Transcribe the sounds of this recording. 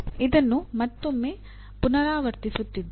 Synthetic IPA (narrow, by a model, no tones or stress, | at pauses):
id̪ɐnːumɐt̪ːomːeː | punɐɾaːʋɐɾt̪isut̪ːid̪ː